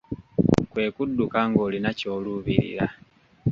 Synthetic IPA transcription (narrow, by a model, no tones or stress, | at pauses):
kwe̞ːkudːukaŋɡoːlinaco̞ːluβiɾḭɾa